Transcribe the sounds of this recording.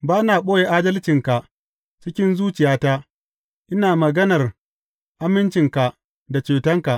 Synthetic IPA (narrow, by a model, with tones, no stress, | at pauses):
baː˦naː˨ɓoː˦je˨ʔaː˦dɐ˦lt͡ʃɪ˨ŋka˨ | t͡ʃɪ˦kʲɪ˦nzuː˦t͡ʃɪ˨jaː˦taː˦ | ʔɪ˦naː˨mɐ˨ɡɐ˦nɐ˨r | ʔa˦mɪ˦nt͡ʃɪ˨ŋka˨ | da˨t͡ʃeː˨tɐ˦ŋka˨ʔ